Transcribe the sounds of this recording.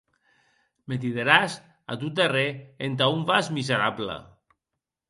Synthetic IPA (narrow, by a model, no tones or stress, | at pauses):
met̪̬iðeɾas | a̰t̪ut̪ereent̪̬aumbazmizeɾablə̰